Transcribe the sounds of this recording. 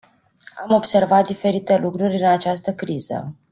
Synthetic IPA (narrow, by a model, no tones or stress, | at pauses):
amo̞bse̞rvat̪̚d̪ife̞ɾit̪e̞lukɾurʲɨnat͡ʃast̪əkɾiz̥ə̰